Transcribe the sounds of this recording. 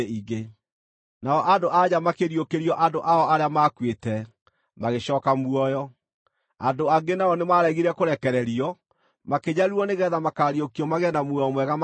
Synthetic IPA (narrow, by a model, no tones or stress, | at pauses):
iɡe | naɔʔandoʔaɲamakeɾiokeɾjɔʔandoʔaɔaɾeamakwetɛ | maɣeɕɔːkamuɔjɔ | a̰doaɡenaɔnemaɾɛɣiɾɛkoɾɛkɛɾɛɾiɔ | makeɲaɾuɔneɣɛːðamakaɾiokiɔmaɣɛnamuɔɔmwɛɣam